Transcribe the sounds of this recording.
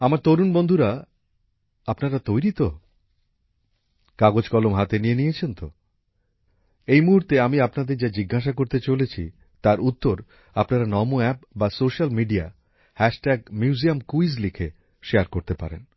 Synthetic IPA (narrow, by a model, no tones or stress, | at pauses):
amaɾt̪oɾunbond̪ʱuɾa | apnaɾat̪ojɾit̪o | kaɡod͡ʑkɔlomɦat̪enijenijet͡ɕʰent̪o̰ | ejmuɦuɾt̪eamiapnad̪eɾd͡ʑad͡ʑiɡʱːaʃ̬akoɾt̪et͡ɕolet͡ɕʰḭ | t̪aɾut̪ːoɾ | apnaɾanɔmoɛp̚basoʃalmiɖia | hɛʃʈɛɡ̚mjuziamkuiz̬likʰe | ʃeaɾkoɾt̪epa̰ɾḛn